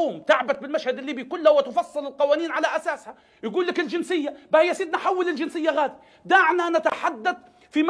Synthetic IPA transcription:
uːmt̪aʕbat̪̚bɪlmaʃhad̪ɪlːiːbikʊlːhawɪt̪ɪfɑsˤːɨlɪlqɑwaːniːnʕalaʔasaːsha | jaɡuːlːakɪld͡ʒɪnsɪjːabahɪjːasiːd̪nħawːɪlɪld͡ʒɪnsɪjːaɣaːd̪i | d̪aʕnanat̪aħad̪ːad̪̚ | fim

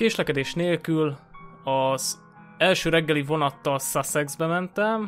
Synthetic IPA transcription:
keːʃlɛkɛd̪eːʃneːlkylɒz̥ | ɛlʃøːɾɛɡːɛlivo̞nɒt̪ːɒlsasɛɡzbɛmɛnt̪ɛm

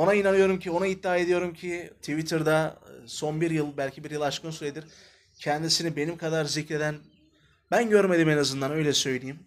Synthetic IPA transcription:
o̞nainanɯjo̞ɾumcʰio̞nait̪̚ːaːe̞d̪ijo̞ɾumcʰit̪ʰivit̪ʰɯɾd̪aso̞nbiɾjɯlˠbælʲcʰibiɾjɯlˠat͡ʃkɯnsuɾed̪iɾ | cʰɛnd̪isinibe̞nimkʰad̪aɾzicɾe̞d̪æn | bænɟøɾme̞d̪ime̞nazɯnd̪anø̞jlʲɛsø̞jlʲijim

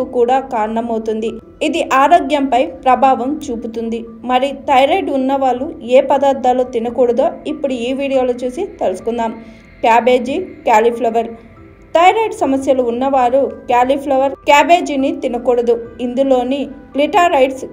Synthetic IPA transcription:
ukuːɽaːkaːɾɐɳɐmɐwt̪und̪i | id̪iʔaːɾo̞ːɡjɐmpɐjpɾɐbʱaːʋɐmt͡ʃuːput̪und̪i | mɐɾit̪ɐjɾɐjɖunːɐʋaːlueːpɐd̪aːɾd̪ːaːloːt̪inɐkuːɽɐd̪o̞ːipːuɽuiːʋiːɽijo̞ːloːt͡ʃuːsit̪elusu̥kund̪aːm | kjaːbe̞ːd͡ʒikjaːlipʰlɐʋɐɾ | t̪ɐjɾɐjɖsɐmɐsjɐluːnːɐʋaːɾukjaːlipʰlɐʋɐɾkaːbe̞ːd͡ʒinit̪inɐkuːɽɐd̪uind̪ulo̞ːniliʈaːɾɐjɖs

